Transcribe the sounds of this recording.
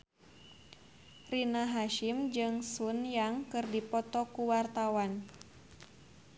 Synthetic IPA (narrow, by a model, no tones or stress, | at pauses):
rinaɦaʃimd͡ʒɨŋsunjaŋkɨrdipɔt̪ɔkuwart̪awan